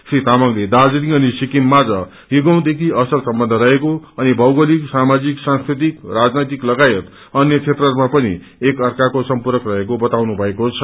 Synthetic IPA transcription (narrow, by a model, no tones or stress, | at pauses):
srit̪amʌŋled̪ad͡zunĩʌnisikinmad͡zʌ | ɦiɡʌw̃d̪ekʰiʌsʌlsʌmbʌnd̪ʱʌɾʌɦekoʌnibʱʌwɡʌliksamad͡ziksãŋskɾit̪ikrad͡znʌjt̪iklʌɡajʌt̪ | ʌnjʌt͡sʰet̪rʌrmapʌnḭ | ekʌrkakosʌmpuɾʌkrʌɦekobʌt̪awnubʱʌekot͡sʰʌ